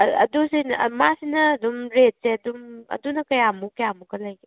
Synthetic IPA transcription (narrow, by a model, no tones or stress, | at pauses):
ɐ̰dusinmasinɐːdumɾet̚seɐdumɐ̰dunɐkɐjamukɐjamuɡɐlɐjɡe